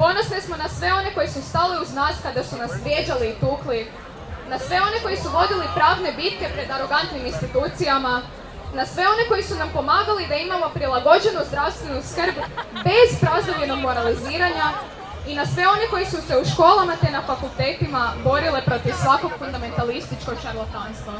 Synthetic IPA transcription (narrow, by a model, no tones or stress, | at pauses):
po̞nosnesmo̞nasʋe̞o̞ne̞ko̞jisust̪aliuznaːskad̪asunasʋɾjed͡ʑaliːt̪uːkli | nasʋe̞o̞ne̞ko̞jisuʋo̞d̪ilipɾaːʋne̞bit̪ke̞pɾe̞d̪aɾo̞ɡant̪niminst̪it̪uːt̪sijama | nasʋe̞o̞ne̞ko̞jisunampo̞maːɡalid̪aimamo̞pɾilˠaɡo̞d͡ʑe̞nuzd̪ɾaʋst̪ʋe̞nuskr̩bbe̞zpɾaznoʋʎe̞no̞ɡmo̞ɾaliziːɾaɲa | inasʋe̞o̞ne̞ko̞jisuse̞uʃko̞ːlˠamat̪enafakulˠt̪e̞ːt̪imabo̞ɾile̞pɾo̞t̪iʋsʋako̞ɡ̥fund̪ame̞nt̪alist̪it͡ʃkoɡʃaɾlˠot̪anst̪ʋa